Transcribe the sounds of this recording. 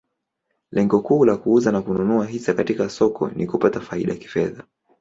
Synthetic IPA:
lɛŋɡɔkuːlakuuzanakununuaɦisakatikasɔkʰɔ̰nʔikupatafaḭɗaaki̥fɛða

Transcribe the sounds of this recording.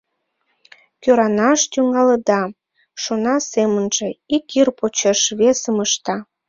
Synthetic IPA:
køɾɑnɑʃt̪yŋɑləd̪ɑ | ʃonɑsemənʒeikirpot͡ɕeʃβesəməʃt̪ɑ

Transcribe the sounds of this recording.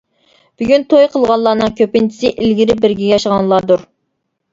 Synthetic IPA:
b̥yɡʲynt̪ʰojqʰəlˠʁɑnlˠɑːnɨŋkʲʰøpɪnt͡ʃʰi̥sɪʔilɡʲiɾɪp̚bɪɾɡʲɛɡʲjɑʃəʁɑŋlˠɑːd̪uɾ

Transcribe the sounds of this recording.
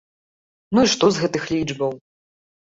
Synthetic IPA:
nuiʂt̪ɔzɣɛt̪ɨxlʲid͡ʐbɐw

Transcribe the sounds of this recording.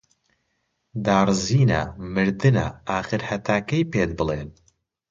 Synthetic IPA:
d̪aːrziːnɐ̰mɨɾd̪ɨnɐ̰aːxɨɾhɐt̪ʰaːkɐjpeːd̪̚bɨleːn

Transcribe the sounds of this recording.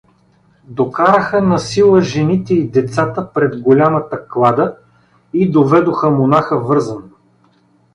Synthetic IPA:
d̪okaɾəxənɐsilˠəʒɛnit̪ɛid̪ɛt̪sat̪əpɾɛd̪ɡolʲamət̪ɐklˠad̪ə | id̪ovɛd̪oxəmonaxəvɤɾzəno

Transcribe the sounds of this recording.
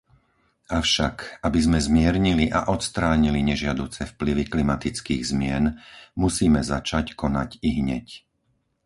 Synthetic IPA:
aʊʃakabizmɛzmɪɛɾɲiliʔa̰ʔɔt̪st̪ɾaːɲiliɲɛʒɪad̪uːt͡sɛfpliʋiklimat̪it͡skiːɣzmɪɛnmusiːmɛzat͡ʃackɔnaciɦɲɛ̰c

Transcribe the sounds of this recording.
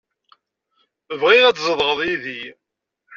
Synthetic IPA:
əvʁɪɾæt͡sːzˤəðˤʁəðˤiði

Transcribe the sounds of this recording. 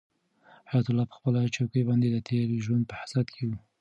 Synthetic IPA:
hajat̪ʊlːɑpə̥xpəlat͡ʃawkəjbɑnd̪ed̪ət̪ʰeɾʒwand̪̚pəhasat̪kʰewu

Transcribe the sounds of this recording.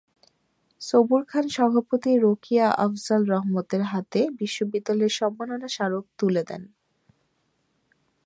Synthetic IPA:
sobuɾkʰanʃɔbʱapot̪iɾokiaʔafzalɾɔɦmot̪eɾɦat̪ebiʃːobid̪ːaleɾʃɔmbanonaʃaɾok̚t̪uled̪ɛ̰n

